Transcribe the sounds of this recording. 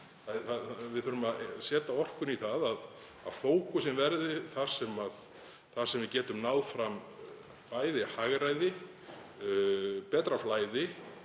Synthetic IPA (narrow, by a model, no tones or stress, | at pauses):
θaθavɪðθʏɾʏmaðsɛːt̪aɔr̥kʏniθaðað | a̰ðfoːwkʏsɛmvɛɾðɪθaɾ̥sɛmað | θaɾ̥sɛmvɪðcɛːt̪ʏmnaːwðfɾam | paːjðɪhaɣɾajðɪ | pɛːt̪ɾaflaːjðɪ